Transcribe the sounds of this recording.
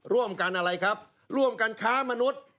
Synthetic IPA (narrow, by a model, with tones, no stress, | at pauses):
ɾu˥˩əmka˧nʔa˧ɾa˧jkʰa˦˥p̚ | ɾu˥˩əmka˧nkʰaː˦˥ma˧nu˦˥t̪̚